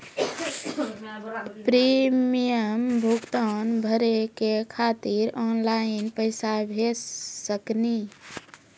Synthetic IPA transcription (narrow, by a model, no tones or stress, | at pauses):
pɾimijəmbʱuɡt̪ɔnbʱəɾekekʰat̪iɾɔnlaɪinpəɪsabʱesːəkni